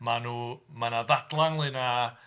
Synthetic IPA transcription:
manuːmanaðadlˠaŋlˠɨna

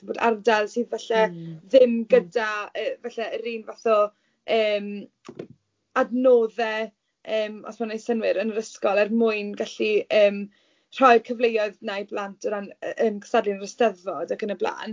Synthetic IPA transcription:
boːda̰rdalˠsɨːðvɛɬɛðɪmɡədaəːvaɬɛəɾiːnvaθɔ | əːm | adnoːðɛ | əːmɔ̰smanejsənwɪɾənəɾəskɔlˠɛrmʊɨnɡaɬiəːm | r̥ɔjd̥kʰəvlejɔɨðnajblantʰɔɾanəːmkʰə̥stadlɪnərəstɛðɔdaɡənəbla̰ːn

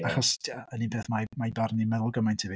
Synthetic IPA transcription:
aχɔsaəninbʰeːθmajmajbarnimɛlˠʊɡəmajntʰivi

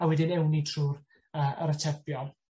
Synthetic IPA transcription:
awɛdɪnɛwnitʰruːɾ | əʔə̰ɾətʰɛbjɔlˠ

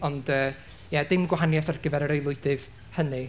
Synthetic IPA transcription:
ɔndəː | jɛdɪmɡwaɦanjaθarɡəvɛɾəɾejlˠʊɨdɨv̥ | hənɨ

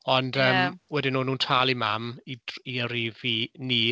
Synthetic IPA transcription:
ɔndəːmwɛdɪnuːnuːntʰaːlˠimamidiəɾiviniː

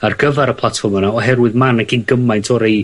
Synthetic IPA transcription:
arɡəvaɾəpʰlˠatfɔrmanaɔɦɛrwɪðmanaɡinɡəmajntʰɔɾej

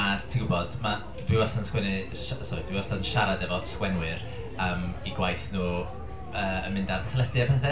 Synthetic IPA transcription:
atʰiɡʊbɔd̥ma | d̥wiwɔsanskwɛnɨ | ʃasɔd̥wiwɔsanʃaɾadɛvɔskwɛnwɨɾ | əmiɡwajθnuː | əːə̰nmɪndartʰəlˠədjabəθɛ

